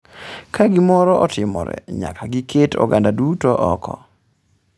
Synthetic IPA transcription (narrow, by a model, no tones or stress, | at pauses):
kaɡɪmɔɾɔʔɔtʰɪmɔɾɛ̰ɲa̰kaɡɪkʰeto̰ɡandadutoʔɔkʰɔ